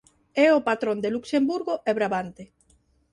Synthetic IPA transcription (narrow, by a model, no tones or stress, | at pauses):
ɛopat̪ɾond̪eluksembuɾɣoʔeβɾaβant̪e